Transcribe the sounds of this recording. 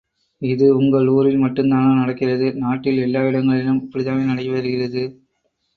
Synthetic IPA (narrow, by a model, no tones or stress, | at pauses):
ɪðɯʊŋɡɐɭuːɾɪlmɐʈːɯmd̪aːnɐnɐɽɐkːɪrɐðɯnaːʈːɪlɛlːaːɪɽɐŋɡɐɭɪlɯmɪpːɐɽɪt̪aːmeːnɐɽɐʋɐɾɯɣɪrɐðɯ